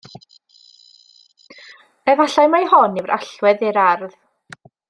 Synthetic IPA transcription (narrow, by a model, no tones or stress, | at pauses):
ɛvaɬajmajhɔnivɾʔa̰ɬwɛðɪɾarð